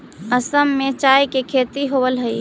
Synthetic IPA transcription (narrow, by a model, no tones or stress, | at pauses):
əsəmːet͡ʃajkekʰet̪iɦobəlɦəi